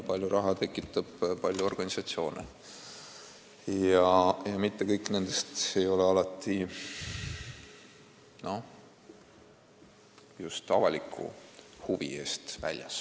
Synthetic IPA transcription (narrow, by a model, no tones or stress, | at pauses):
pɑlʲjuɾʔɑɦɑt̪e̞kːˑit̪ˑːɑb̥pɑlʲjuo̞rɡ̥ɑnʲisɑt̪sio̞ːnḛ | jɑjɑmit̪ːekɤjkːˑne̞nd̪̥e̞st̪e̞jo̞leɑlɑt̪ːˑi | no̞ | just̪ɑvɑlʲikʰːˑṵhuvḭe̞ːst̪væ̰lʲjɑ̰s